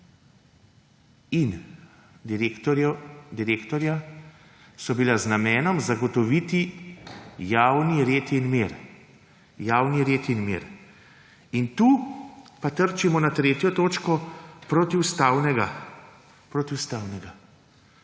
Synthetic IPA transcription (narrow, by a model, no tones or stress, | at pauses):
in | d̪iɾeːkt̪ɔɾja | sɔbilaznamɛːnɔmzaɡɔt̪ɔʋit̪i | jaːwniɾeːt̪inmeɾ | jaːwniɾeːt̪inmḛːɾ | int̪uːpat̪əɾt͡ʃimɔnat̪ɾeːt̪jɔt̪oːt͡ʃkɔpɾot̪iwst̪awnɛɡa | pɾoːt̪iwst̪aːwnɛɡa